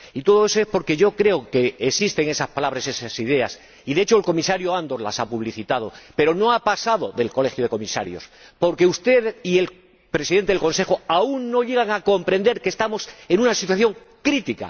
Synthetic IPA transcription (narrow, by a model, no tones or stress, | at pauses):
it̪o̞ð̞oe̞so̞e̞spo̞ɾke̞ʝo̞kɾe̞oke̞ːsist̪e̞ŋe̞saspalaβɾaese̞sasið̞e̞a̰s | iðe̞et͡ʃoelko̞misaɾjoand̪o̞ɾla̰sapuβ̞liθit̪að̞ope̞ɾo̞no̞apasaðo̞ðe̞lko̞le̞xjoð̞e̞ko̞misa̰ɾjo̞̰spo̞ɾke̞ust̪e̞ðie̞l | pɾe̞siðent̪eelko̞nse̞xoauŋːo̞ʎe̞ɣ̞aŋako̞mpɾẽ̞nd̪e̞ɾke̞st̪amo̞se̞nũnasit̪waθjo̞ŋ | kɾit̪ika̰